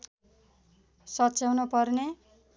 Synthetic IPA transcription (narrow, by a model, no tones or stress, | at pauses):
sʌtːsawnupʌrne